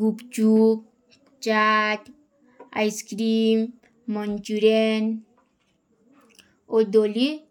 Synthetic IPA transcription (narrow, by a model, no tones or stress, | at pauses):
ɡupt͡ʃuk | t͡ʃaʈ | ajskɾimː | ɔnt͡ʃuɾen | od̪oli